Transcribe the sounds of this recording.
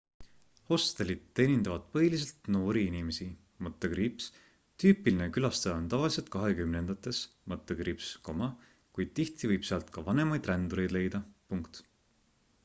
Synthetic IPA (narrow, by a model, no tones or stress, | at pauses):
ho̞st̪elid̪̥ːe̞ːnʲind̪ɑvɑd̪̥pɤɦilis̬e̞lt̪no̞ːɾiinime̞si | mɤt̪ːˑeɡɾiːps | t̪yːpilinekylɑst̪eɑont̪ɑvɑlis̬elt̪̚kɑɦe̞kymne̞nd̪̥ɑt̪ːˑe̞s | mɤt̪ːˑeɡɾiːpsko̞mɑ | kujd̪̥̚t̪iht̪ivɤjb̥seɑlt̪kɑvɑne̞mɑjd̪rænd̪uɾe̞jd̪̥le̞jd̪̥ɑpuŋkt̪